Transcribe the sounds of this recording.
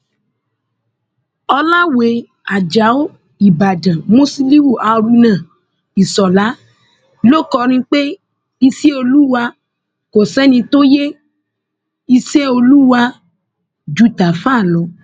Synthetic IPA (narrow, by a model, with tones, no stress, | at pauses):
ɔ˧la˦we˨˦ | a˨d͡ʒa˨˦o˦ | i˦˨ba˨dã˨mo˦si˧li˦wu˦˨ʔa˨˧ɾu˧nã˨ | i˨sɔ˨la˨˦ | lo˦kɔ˧ɾ̃ĩ˧k͡pe˦ | i˧si˦o˧lu˦wa˧ | ko˨sɛ˨˦nĩ˧to˦je˦ | i˧se˦o˧lu˦wa˧ | d͡ʒu˦ta˨fã˦˨lɔ˨˦